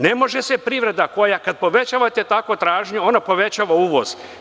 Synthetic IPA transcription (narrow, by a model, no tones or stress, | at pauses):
ne̞mo̞ʒesepɾiːʋɾe̞d̪ako̞jakad̪̚po̞ʋe̞t͡ɕaːʋat̪e̞t̪akʋo̞t̪ɾaːʒɲeo̞napo̞ʋet͡ɕaːʋauːʋo̞̰z̥